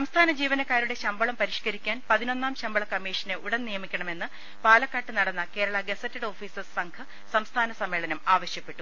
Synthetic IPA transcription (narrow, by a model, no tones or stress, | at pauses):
sɐmst̪ʰaːnɐd͡ʑiːʋɐnɐkːaːɾuɽe̞ɕɐmbɐɭɐmpɐɾiʂkɐɾikʲːaːnpɐðino̞nːaːmɕɐmbɐɭɐkɐmːiːʂɐneʔuɽɐnnijɐmikʲːɐɳɐme̞nːɨ | paːlɐkːaːʈːɨnɐɽɐnːɐke̞ːɾɐɭɐɡesɐtːɐɽo̞ːfiːsɐsɐŋɡʰɐ | sɐmst̪ʰaːnɐsɐmːeːɭɐnɐmaːʋɐɕjɐpːe̞ʈːu